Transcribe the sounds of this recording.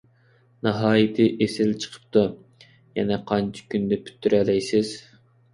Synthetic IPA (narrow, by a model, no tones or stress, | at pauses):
nɑɦɑːjit̪ʰɪʔesɪlt͡ʃʰə̥qʰə̥p̚t̪u | jɛnɛqʰɑnt͡ʃʰi̥kʲynd̪ɪpʰy̥t̪ʰːyɾɛlɛjsɪz̥